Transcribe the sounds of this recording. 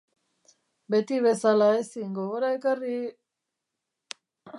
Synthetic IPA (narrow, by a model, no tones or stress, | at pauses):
bet̪iβe̞salaesiŋɡoɣoɾaekari